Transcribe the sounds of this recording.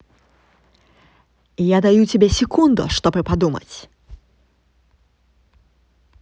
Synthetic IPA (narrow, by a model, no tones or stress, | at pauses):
ijad̪ajut͡sʲɪbʲesʲɪkʰund̪ʊ̰ʂt̪ɔpɾɨpad̪umə̰t͡sʲ